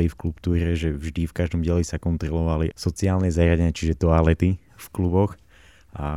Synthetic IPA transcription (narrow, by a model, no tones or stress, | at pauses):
lifklupt̪uːɾɛʒɛvʒd̪ifkaʒd̪ɔmɟɪɛlisakɔnt̪ɾɔlɔʋalḭsɔt͡siaːlnɛzaɾjaɟɛɲat͡ʃiʒɛt̪ɔalɛt̪i | fklubɔx | a